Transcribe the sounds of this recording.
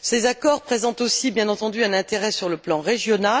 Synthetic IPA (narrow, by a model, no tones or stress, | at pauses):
sezakɔʁpχezɑ̃t̪osibjɛ̃nɑ̃t̪ɑ̃d̪yɛ̃nɛ̃t̪eʁɛsyʁləplɑ̃ʁeʒjɔna